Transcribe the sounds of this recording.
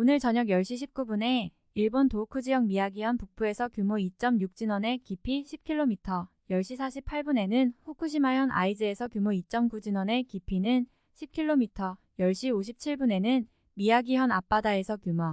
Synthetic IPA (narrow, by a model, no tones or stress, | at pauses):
onɯɭt͡ɕʌɲʌɡjʌɭɕ͈iɕʰip̚k͈ubune̞ | iɭbontokʰud͡ʑijʌŋmiaɡiɦʌnpuk̚pʰue̞sʰʌkjumoit͡ɕ͈ʌmjuk̚t͡ɕ͈inʌne̞kipʰiɕʰip̚kʰiɭːomitʰʌ | jʌɭɕ͈isʰaɕʰipʰaɭbune̞nɯnɸukʰuɕʰimajʌnʔa̰id͡ʑɯe̞sʰʌkjumoit͡ɕ͈ʌmkud͡ʑinʌne̞kipʰinɯn | ɕʰip̚kʰiɭːomitʰʌ | jʌɭɕ͈ioɕʰip̚t͡ɕʰiɭbune̞nɯn | miaɡiɦʌnap͈adae̞sʰʌkjumʌ